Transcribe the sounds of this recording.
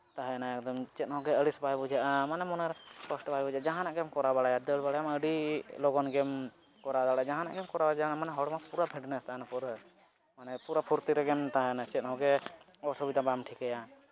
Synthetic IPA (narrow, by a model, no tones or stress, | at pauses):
t̪aɦɛnaɛkd̪ɔmt͡ʃɛt̪̚hɔɡɛəɽisbajbɔd͡ʒaʔamanɛmɔnɛɾpɔsʈbajbɔd͡ʒad͡ʒaɦanaʔɡɛmkɔɾabaɽajad̪əɽbaɽajaməɖilɔɡɔnɡɛm | kɔɾad̪aɽad͡ʒaɦãna̰ʔɡɛmkɔɾabad͡ʒanamanɛɦɔɽɔmapuɾabʰʱiɖnɛst̪aɦɛnapɔɾ | manɛpuɾapʰuɾt̪iɾɛɡɛmt̪aɦɛjanat͡ʃɛt̪̚ɦɔɡɛ | ɔsɔbid̪abamʈʰikɛja